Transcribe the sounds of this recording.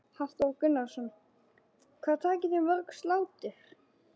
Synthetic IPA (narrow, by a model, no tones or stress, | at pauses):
hḁt̪owkʏnːasʏn | kʰvaːðt̪ʰaːcɪt̪ɪnvœɾkslaːwt̪ɪ